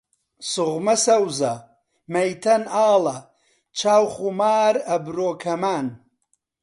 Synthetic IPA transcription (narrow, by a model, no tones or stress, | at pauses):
sʊɣmɐsɐwzɐ | mɐjt̪ʰɐnaːlɐ | t͡ʃʰaːwχumaːɾɐbɾoːkʰɐmaːn